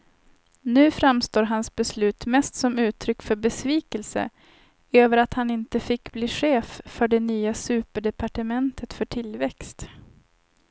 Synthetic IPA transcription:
nʉ̟ːfɾamst̪oːɾɦansbɛslʉ̟ːt̪mɛst̪sɔmʉ̟ːt̪ʰɾʏkːfœɾbɛsviːkəlsə̰ | øːvəɾat̪hanɪnt̪əfɪkːbliːɧeːffœɖɛnyːasʉ̟ːpəɖɛpaʈəmɛnt̪ʰət̪fœʈʰɪlvɛkst̪

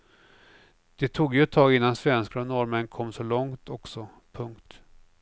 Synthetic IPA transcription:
d̪̥ɛt̪ʰuːɡjɵɛt̪ʰːɑːɡɪnːansvɛnskɾɔnɔɾmənkʰɔmːsɔlɔŋt̪ʰɔksɔ | pʰɵŋkt̪

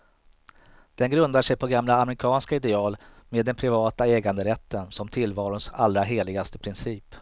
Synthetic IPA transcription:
d̪̥ɛnɡɾɵnd̪aʂɛjpʰɔɡamlaːmɾɪkʰɑːnskaɪd̪ɛɑːlmeːd̪ːɛnpʰɾɪvɑːt̪aɛːɡand̪əɾɛt̪ːənsɔmt̪ʰɪlːvɑːɾʊnsalːɾaɦeːlɪɡast̪əpʰɾɪnsiːp

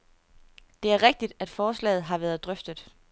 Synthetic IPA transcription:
d̥e̝æɐʁeɡ̥̚d̥id̥æd̥fɒːslɛ̰ːð̩ˠɦɑ̈ʋæːɐð̞̩ˠd̥ʁœfd̥əð̩ˠ

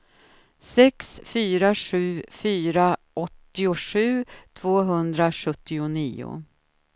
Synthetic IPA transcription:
sɛksfyːɾaʂʉ̟ːfyːɾaʔɔt̪ːɪʊʂʉ̟ːt̪ʰv̥oːɦɵnd̪ɾaʂɵt̪ːɪʊniːʊ̰

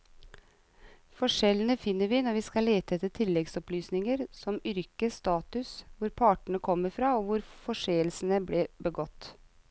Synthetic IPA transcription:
fɔʂɛlənəfɪnːəɾʋɪnɔɾʋiːskɑleːt̪əɛt̪ɪt̪ʰɪlːɛɡsɔplyːsnɪŋəɾsɔmʏɾkəst̪ɑːt̪ʉsʋʊɾpʰɑːʈəɳəkʰɔmːəɾfɾɑːɔʋʊɾfɔʂeːəlsnəbleːbəɡɔt̪ː

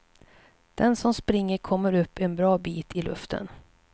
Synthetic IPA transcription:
d̪̥ɛnsɔmspɾɪŋːəɾkʰɔmːəɾɵpːɛnbɾɑːbiːt̪ʰɪlɵ̰ft̪ʰə̰n

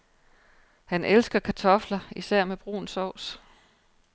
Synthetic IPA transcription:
hænʔelsɡ̥ɐkʰæt͡sʰɒ̽flɐisæɐ̰meb̥ʁṵːn̩sɒʊ̰s

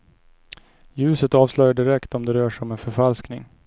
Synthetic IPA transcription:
jʉ̟ːsət̪ɑːvslœjaɖɪɾɛkt̪ɔmd̪ɛɾœːʂɔmɛnfœɾfalsknɪ̰ŋ

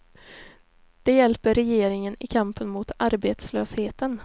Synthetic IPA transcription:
d̪̥ɛjɛlpəɾɛjeːɾɪŋənɪ̰kʰampənmʊt̪ʰaɾbeːt̪sløːsheːt̪ən

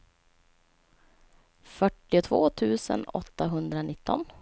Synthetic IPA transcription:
fœʈːɪʊt̪ʰvo̰ːt̪ʰʉ̟ːsə̰nɔt̪ːaɦɵnd̪ɾanɪt̪ʰːɔn

